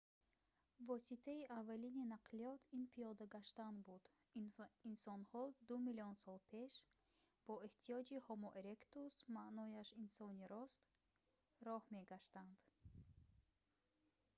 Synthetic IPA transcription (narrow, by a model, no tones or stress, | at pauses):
vɔsit̪ʰaiʔavːalininaqʰliɔt̪ʰinpʰijɔd̪aɡaʃt̪anbud̪ | insɔnhɔd̪umiliɔnsɔlˠpʰe̞ʃ | b̥ɔeht̪ʰiɔd͡ʒihɔmɔʔeɾekt̪usmaʔnɔjaʃinsɔniɾɔst̪ | ɾɔhme̞ɡaʃt̪and̪̥